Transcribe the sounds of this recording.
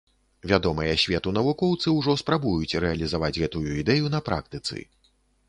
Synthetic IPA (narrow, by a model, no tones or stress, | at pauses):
vʲad̪ɔmɐjɐsʲvʲɛt̪unɐvukɔwt̪sɨwʐɔspɾabujut͡sʲɾɛɐlʲizavad͡zʲɣɛt̪ujuid̪ɛjunɐpɾa̰k̚t̪ɨt̪sɨ̰